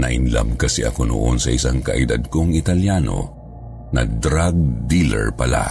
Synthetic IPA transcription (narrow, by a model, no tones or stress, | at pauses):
nɐʔɪnla̰mkɐsɛʔɐkono̰ʔonsɐʔɪsaŋkɐʔɪd̪ad̪̚koŋɪt̪ɐljano̞̰ | nɐd̪ɾaɡ̚d̪ilɛ̰ɹpɐla̰